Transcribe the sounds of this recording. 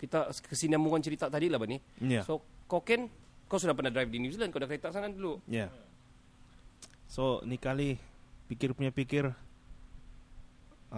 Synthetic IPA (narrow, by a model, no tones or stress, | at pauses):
kit̪akəsiniamuŋant͡ʃəɾit̪at̪adilahbanijasokokɛnkaws̬udahpərnadɾajfdinjuziland̚kadakɾet̪aʔsananduluja | sonikalipikɪrpuɲapikɪr